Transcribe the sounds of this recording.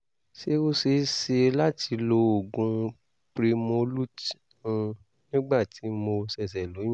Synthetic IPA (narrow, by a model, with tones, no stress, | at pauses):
ʃe˦o˦se˧˦se˧la˦ti˧lo˧o˨ɡũ˨˧ | pɾe˧mõ˧lu˦t | ũ˧ | nĩ˦ɡ͡ba˦˨ti˨˦mo˧sɛ˨s̬ɛ˨lõ˨˦